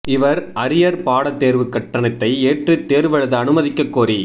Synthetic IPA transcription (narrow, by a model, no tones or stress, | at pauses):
ɪʋɐɾɐɾɪjɐɾpaːɽɐt̪ːeːɾʋɯkːɐʈːɐnɐt̪ːɐɪeːʈrɯt̪ːeːɾʋɛɻɐðɯɐnɯmɐðɪkːɐkːoːɾi